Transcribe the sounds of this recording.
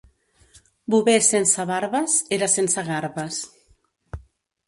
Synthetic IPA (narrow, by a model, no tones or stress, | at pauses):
buβesensaβaɾβəseɾasensəɣaɾβəs